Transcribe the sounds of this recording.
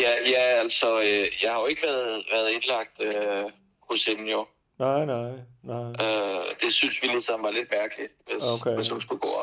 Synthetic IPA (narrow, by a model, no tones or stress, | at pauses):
jæjæælsɒøjɑ̈ɪhɑ̈jo̝e̝ɡ̥əʋæɐðˠʋæɐð̞̩ˠe̝nlɑ̈ɡ̥̚d̥ø | hoshenn̩jo̝ | naɪnɑɪnød̥e̝synsʋiliðˠsɑ̈mn̩ʋɑ̈le̝d̥mæɐɡ̥əli̥ʋesokʰʋe̝shunsɡ̥uɡ̥ɔ̰ː